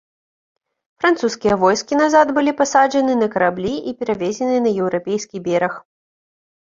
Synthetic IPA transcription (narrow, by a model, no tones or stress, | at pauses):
fɾant̪suskʲijɐvɔjskʲinazad̪bɨlʲipasaʐɐnɨnɐkɐɾablʲiipʲɛɾavʲɛzʲɛnɨnɐjɛwɾapʲejskʲibʲɛɾɐx